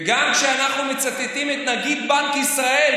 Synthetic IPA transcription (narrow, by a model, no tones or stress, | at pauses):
ɡamkʃeanaχnumet͡sat̪et̪imet̪naɡid̪̚bankisʁae̞l